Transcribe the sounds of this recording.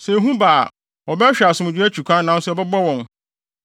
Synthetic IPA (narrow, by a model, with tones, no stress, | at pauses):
sɛ˨ɦũ˦ba̰ː˨ | ɔ˨bɛ˦ɕᶣa˨sʊ̃˨m˨d͡ʑᶣɪ˦æ˦t͡ɕʰᶣu˨kʰʷã˦nã˨˦n˦sʊ˦ɔ˨bɛ˦bɔ˦wɔ̃˨n